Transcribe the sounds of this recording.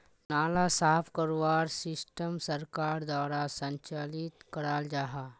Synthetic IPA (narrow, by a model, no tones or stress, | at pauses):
naːlasaːpʰkəɾʋaːɾsɪsʈəmsəɾkaːɾd̪waːɾasə̃ɲt͡ʃalit̪kəɾaːld͡ʒaɦa